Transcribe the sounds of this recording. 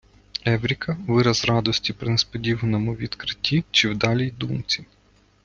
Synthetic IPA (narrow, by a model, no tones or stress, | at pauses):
ɛʋɾʲikʰɐʋɪɾɐzrɑd̪ɔsʲtʲipɾɪnespɔdʲiʋɐnɔmʊʋʲid̪kɾɪtʲːit͡ʃɪwd̪ɑlʲijd̪umt͡sʲi